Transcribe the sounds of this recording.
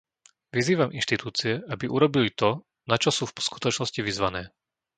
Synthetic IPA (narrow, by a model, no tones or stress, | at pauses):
ʋiziːʋamʔinʃt̪it̪uːt͡siɛʔabiʔuɾɔbilit̪ɔ | nat͡ʃɔsuːfsku̥t̪ɔt͡ʃnɔsciʋizʋanɛː